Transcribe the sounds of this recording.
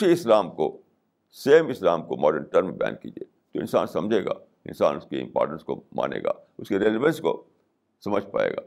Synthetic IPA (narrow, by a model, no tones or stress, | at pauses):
iɪslaːmko̰ | seːmɪslaːmkomɔːɖəɾnʈəɾmẽbɛja̰ːnkiːd͡ʒieː | t̪oɪ̃nsa̰ːnsɐ̃md͡ʒʱeːɡaː | ɪ̰̃nsaːnʊskeɪ̰̃mpɔ̰ːɾʈə̃nskoma̰ːnḛːɡa̰ːʊskeɾeːleʋə̃nsko̰ | sɐməd͡ʒʱpa̰ːḛːɡaː